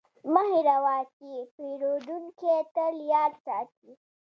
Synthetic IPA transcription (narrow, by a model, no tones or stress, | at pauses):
mɐɦiɾɐwaːkipiɾod̪unket̪ɐljaːd̪saːt̪i